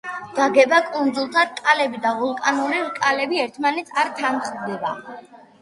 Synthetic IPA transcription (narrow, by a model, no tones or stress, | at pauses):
d̪̥aɡɛbakʼund̪zulˠt̪ʰaɾkʼalɛbid̪avɔlˠkʼanuɾiɾkʼalɛbiɛɾt̪ʰmanɛt̪sʰaɾt̪ʰanχʼd̪d̪ɛba